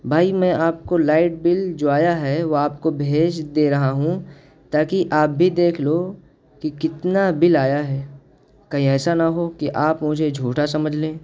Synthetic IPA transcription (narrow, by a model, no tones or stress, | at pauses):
bʱaːimɛ̃ʔaːp̚kolaːɪʈ̚bɪld͡ʒoːaːjaɦɛʋoaːpkobʱeːd͡ʒd̪eːɾɐɦaɦũ | t̪aːkiʔaːp̚bʱid̪eːkʰloː | kikɪt̪nabɪlaːjaɦɛː | kɐɦĩɛːsanɐɦokiʔaːpmʊd͡ʒʱed͡ʒʱuːʈasɐməd͡ʒʱlẽː